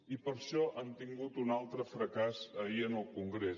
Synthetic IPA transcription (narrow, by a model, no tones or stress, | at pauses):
ipəɾʃɔʔənt̪iŋɡut̪unalˠt̪ɾəfɾəkazəiənəlˠkuŋɡɾe